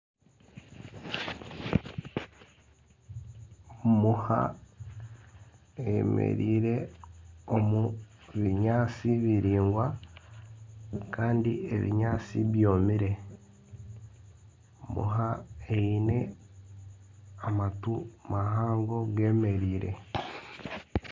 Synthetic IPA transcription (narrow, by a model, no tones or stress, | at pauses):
muha̰ | emḛɾiːɾe̞ | omuβiɲaːt͡siβiɾiːŋɡwa | kaːndieβḭɲaːt͡sḭβjo̞ːmiɾe̞ | mṵɦaeine̞ | amatumahaːŋɡo̞ɡe̞ːme̞ɾiːɾe̞̰